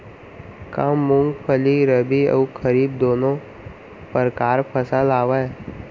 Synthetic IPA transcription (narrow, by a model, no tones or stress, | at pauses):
kamːʊ̃ŋɡpʰəliɾəbiə̰ukʰəɾiːbd̪oːnõ | pəɾkaːɾpʰəsəlaːʋaɛ